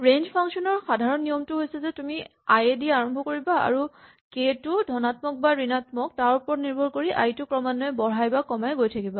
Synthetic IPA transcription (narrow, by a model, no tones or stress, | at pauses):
ɹenzpʰaŋksiɔnɔɹxadʱaɹɔnːijɔmtʊɦojsɛzɛtumiajediaɹɔmbʱɔkoɹibaa̰ɹu | ketʊdʱɔnatmɔk̚baɹinatmɔk̚taɹupɔɹniɹbʱɔɹkoɹiʔa̰jtʊkɹɔmanːɔɛbɔɹajbakɔmajɡojtʰakiba